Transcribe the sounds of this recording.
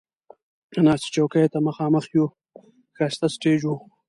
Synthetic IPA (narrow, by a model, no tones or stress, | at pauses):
nɑsi̥t͡ʃowkajt̪aməxɑːməxju | xast̪asʈeːd͡ʒu